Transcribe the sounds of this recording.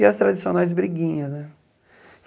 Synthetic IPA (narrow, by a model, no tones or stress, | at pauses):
iɐst̪ɾad͡ʒisionajz̬bɾiɡĩɲɐznɛ | f